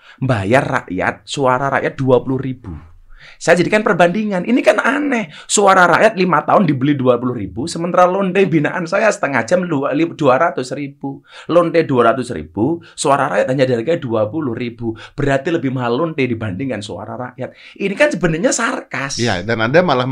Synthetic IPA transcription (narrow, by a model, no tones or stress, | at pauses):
mbajarːa̰ʔja̰t̪̚suaɾaɾa̰ʔjat̪̚duapulʊhrib̥u | sajad͡ʒadikanpərbandiŋanʔinikananɛhsuaɾaɾa̰ʔjat̪̚limat̪aʊndibəliduapulʊhribusəmənt̪aɾalond̪ebinaʔansajasə̥t̪əŋḁd͡ʒamdlid̥uaɾat̪ʊsrib̥ulont̪eduaɾat̪ʊsrḭb̥usuaɾaɾaʔjat̪̚ɦaɲadaɾikaduapulʊhribub̥əɾat̪iləbɪhmaɦalːondedibandiŋansua̰ɾa̰ɾa̰ʔjat̪̚ | inikansəbənərɲasarkasja̰danadamalah